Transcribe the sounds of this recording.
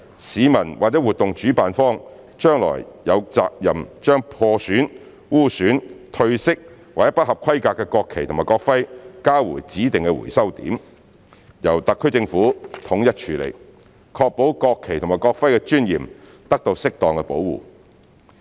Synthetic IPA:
siː˨˥mɐ˨˩nwaː˨k̚t͡sɛː˨˥wuː˨t̪ːʊ˨ŋt͡ʃyː˨˥paː˨nfɔː˥ŋ | t͡ʃœː˥ŋlɔ̰ː˨˩jjɐ˨˧wt͡sa̰ː˧k̚jɐ˨˩mt͡ʃœː˥ŋpʰɔː˧syː˨˥n | wuː˥syː˨˥nt̪ʰɵ˧ɥsɪ˥k̚waː˨k̚jɐ˥pɐ˥hɐ˨p̚kʰɐ˥jkaː˧kːɛː˧kɔː˧kʰe˨jt̪ʰmaː˨˩jkɔː˧k̚fɐ˥jkaː˥wṵː˨˩jt͡siː˨˥t̪ɪ˨ŋkɛ˧wṵ˨˩jsɐ˥wt̪ḭː˨˥m | jɐ˨˩wt̪ɐ˨kʰːɵ˥jt͡sɪ˧ŋfuː˨˥t̪ʰʊ˨˥ŋjɐ˥t̚t͡ʃʰyː˨lḛ˨˩j | kʰɔː˧k̚po˨˥wkɔː˧kʰːe˨jt̪ʰʊ˨˩maː˨˩kɔː˧k̚fɐ˥jkɛ˧t͡ʃyː˥njḭː˨˩m | t̪ɐ˥k̚t̪o˧wsɪ˥k̚t̪ɔː˨ŋkɛ˧po˨˥wwṵː˨

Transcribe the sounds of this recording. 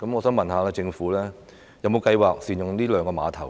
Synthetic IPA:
kɐ˨˥mŋɔː˨˧sœː˨˥ŋmɐ˨˩nhaː˨˧laː˧t͡sɪ˧ŋfuː˨˥lɛː˥ | jɐ˨˩wmo˨˧wkɐ˧jwaː˨k̚siː˨˩njʊ˨ŋliː˥lœː˨˧ŋkɔː˧ma̰ː˨˧t̪ʰɐ˨˩w

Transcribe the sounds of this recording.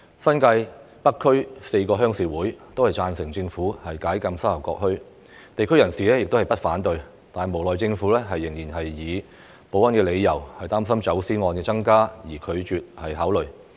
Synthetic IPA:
sɐ˥nkɐ˧j | pɐ˥kʰːɵ˥ɥse˧jkɔː˧ɦœː˥ŋsiː˨˩wuː˨˥jt̪o˥whɐ˨jt͡saː˧nsɪ˨˩ŋt͡sɪ˧ŋfuː˨˥hɐ˨jkaː˨˥jkɐ˧msɐ˥ɐ˨˩kɔ̰ː˧k̚hɵ˥ɥ | t̪e˨jkʰɵ˥jɐ˨˩nsiː˨˩lɛː˥jɪ˨k̚t̪o˥hɐ˨jpɐ˥t̚faː˨˥nt̪ɵ˧ɥ | t̪aː˨n˨jmo˨˩wlɔː˨˩jt͡sɪ˧ŋfu˨˥lɛː˥ɦɐ˨jːɪ˨˩ŋjiː˨˩nɦɐ˨jːiː˨˧ | po˨˥wɐ˥nkɛː˧le˨˧jːɐ˨˩whɐ˨˩jt̪aː˥ms̬ɐ˥mt͡sɐ˨˥wsiː˥ŋɔː˧nkɛː˧t͡sɐ˥ŋkaː˥jiː˨˩kʰɵ˨˧ɥt͡ʃyː˨t̚hɐ˨jɦaː˨˥wlɵ˨ɥ

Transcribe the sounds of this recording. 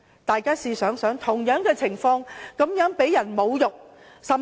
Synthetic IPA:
t̪aː˨jkaː˥siː˧sœː˨˥ŋsœː˨˥ŋt̪ʰʊ˨˩ŋjœː˨˥ŋkɛː˧t͡sʰɪ˨˩ŋfɔː˧ŋkɐ˨˥mjœː˨˥ŋpe˨˥jɐ˨˩nmo˨˧wjʊ˨k̚ | sɐ˨

